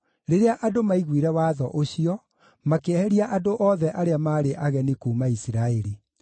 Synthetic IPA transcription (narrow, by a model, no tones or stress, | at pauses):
ɾeɾeaʔadomaiɣwiɾɛwaːðɔʔoɕiɔ | makeɛɾiaʔadoʔɔðɛʔaɾeamaːɾeʔaɣɛnikuːmaisiɾaeɾi